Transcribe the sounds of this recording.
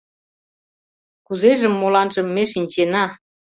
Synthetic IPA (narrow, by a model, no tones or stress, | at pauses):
kuzeʒə̆mːolɑnʒə̆mːeʃinʲt͡ɕenɑ